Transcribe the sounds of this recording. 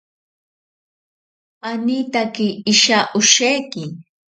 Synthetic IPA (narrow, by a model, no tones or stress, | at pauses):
anit̪akɪːʃaʔʊʃajkɪ